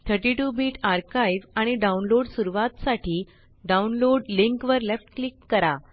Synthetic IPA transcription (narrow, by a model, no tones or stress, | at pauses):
t̪ʰəɾʈiʈubiːʈaɾkaiʋaɽ̃iɖaunloɽsuɾuʋat̪saʈʰiː | ɖaunloɽliŋkʋəɾlefʈklikːəɾa